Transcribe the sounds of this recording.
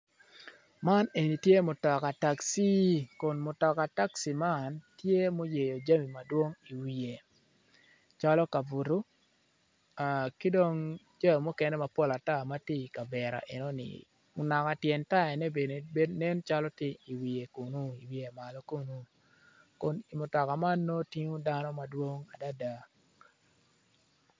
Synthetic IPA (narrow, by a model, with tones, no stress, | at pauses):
ma˦ne˨ni˨tje˦mo˨tɔ˨ka˨ta˨ksi˦kʊ˨nmʊ˨tɔ˨ka˨ta˦ksi˨ma˦˨ntje˦mo˦je˨jo˨d͡ʒa˦mi˨ma˨dwo˦ŋi˨wi˨je˨ | t͡ʃa˦lɔ˦ka˨bu˨ɾu˦ | a˨kɪ˦do˦ŋ | d͡ʒa˦jo˨mu˦kɛ˦nɛ˦ma˨po˦la˨ta˦˨ma˦ti˦i˨ka˨bɛ˨ɾa̰˨ʔḛ˨no˦nɪ̰˨ | ʊ˨na˨ka˨tjɛ˨nta˦ɛ˨nɛ˦be˨ne˨˦nɛ˦nt͡ʃa˦lɔ˦tɪ˦i˨wi˨e˨ku˨nu˦i˨wi˨e˨ma˨lɔ˦ku˦nu˦ | ko˨ni˨mʊ˨tɔ˨ka˨ma˦nːo˦ti˦ŋu˦da˦nɔ˦ma˨dwo˦ŋa˨da˦da˨